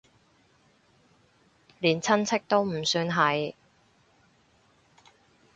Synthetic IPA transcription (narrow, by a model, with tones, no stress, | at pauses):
liː˨˩nt͡sʰɐ˥nt͡sʰɪ˥k̚t̪o˥wm̩˨˩syː˧nɦɐ˨j